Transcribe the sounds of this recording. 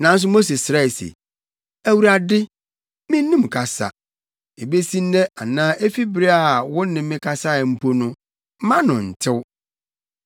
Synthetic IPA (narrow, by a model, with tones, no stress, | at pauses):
nã˨˦n̩˦s̬ʊ˦mo˦s̬e˨sɾa˦ɛ˨sḛ˨ | æ˦wu˨ɾa˨dɪ˦ | mɪ̃˦n˦nĩ˦m̩˨kʰa˨sa̰˨ | e˨be˦sĩ˦n̩˦nɛ˦ʔa˨nãː˦ʔe˦fi˦bɪ˦ɾe˦a˨a˨wʊ̃˦nɪ̃˨mː˦ɪ̃˦kʰa˦sa˦˨m̩˦pʰo˦nʊ̃˦ | mã˦nʊ̃˨n̩˨tʰɪ˦w